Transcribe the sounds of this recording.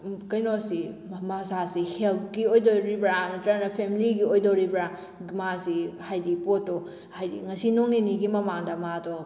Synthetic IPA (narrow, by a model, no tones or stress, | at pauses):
kɐjnosimɐsasihelp̚ɡiojdoɾibɾantɐɾanɐpʰemiliɡiojdɔɾibɾa | masihajdipotːɔ | hajdḭŋɐsinoŋniniɡimɐmaŋdɐmadɔ